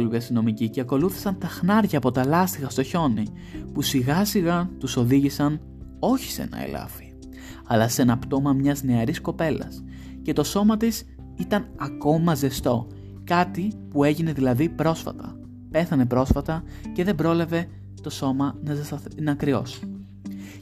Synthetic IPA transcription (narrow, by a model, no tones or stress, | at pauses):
oluviɐst̪ino̞miciceɐko̞luθi̥sɐnt̪ɐxnɐɾʝɐːpo̞t̪ɐlɐst̪iɣɐst̪o̞ço̞ni | pusiɣɐsiɣɐt̪uso̞ðiʝisɐn | o̞çi̥se̞̰nɐ̰ḛlɐ̰fi̥ | ɐlɐse̞nɐpt̪o̞mɐmɲɐzne̞ɐɾisko̞pe̞lɐ̰s | ce̞t̪o̞so̞mɐt̪is | it̪ɐnɐko̞mɐze̞st̪o̞ | kɐt̪ipue̞ʝine̞ðilɐðipɾo̞sfɐ̰t̪ɐ̰ | pe̞θɐne̞pɾo̞sfɐt̪ɐ | ce̞ðe̞bɾoleve̞ | t̪o̞so̞mɐnɐzɐsnɐkɾio̞̰s